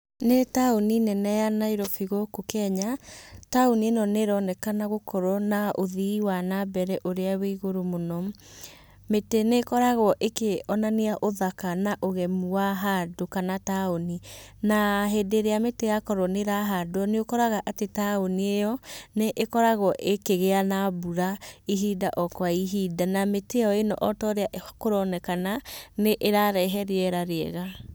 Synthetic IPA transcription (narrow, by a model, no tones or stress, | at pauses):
netaoninɛnɛjanaiɾɔfiɣokokɛɲataonienɔneɾɔnɛkanaɣokɔɾɔnaʔoðiwanabɛɾɛʔoɾeaweɣoɾomonɔ | metenekɔɾaɣɔʔekeɔnaneaʔoðakanaʔoɣɛmuwaɦadokanataoninaɦedeɾeametejakɔɾɔneɾaɦadoɔneokɔɾaɣaʔatetaoniejɔneʔekɔɾaɣwɔʔekeɣeanabuɾaiɦidaʔɔkwaiɦidanameteɔenɔʔɔtɔɾeaʔkoɾɔnɛkananeʔeɾaɾɛɦɛɾeɛɾaɾeɛɣa